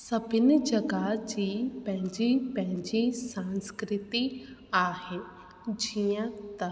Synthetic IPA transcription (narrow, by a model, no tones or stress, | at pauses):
sɐbʱɪnɪd͡ʒɐɡad͡ʑiːpɐ̃ɦɪ̃ɲd͡ʑipɐ̃ɦɪ̃ɲd͡ʑisãnskɾɪt̪iaːɦe | d͡ʑijãt̪ɐ